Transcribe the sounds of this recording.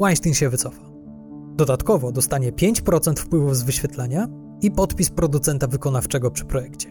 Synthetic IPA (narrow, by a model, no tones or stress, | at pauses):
waj̃st̪ʲinɕɛvɘt̪sɔfḁ | d̪ɔd̪at̪kɔvɔd̪ɔst̪aɲɛpʲjeɲt͡ɕpɾɔt̪sɛnt̪fpwɘvuvzvɘɕfʲjɛt̪laɲa | ipɔt̪pʲispɾɔd̪ut̪sɛnt̪avɘkɔnaft͡ʂɛɡɔpʂɘ̥pɾɔjɛkt͡ɕɛ̥